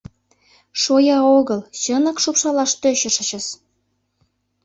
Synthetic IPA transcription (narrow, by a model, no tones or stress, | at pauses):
ʃojɑoɣɤ̆lɕə̆nə̆kʃupʃɑlɑʃt̪øɕə̆ʃə̆t͡ɕə̆s